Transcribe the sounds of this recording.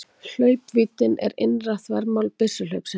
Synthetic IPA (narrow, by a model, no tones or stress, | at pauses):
l̥œːɥpviːt̪ɪnɛ̰ɾɪ̰nraθvɛɾmawlpɪsʏl̥œɥpsɪ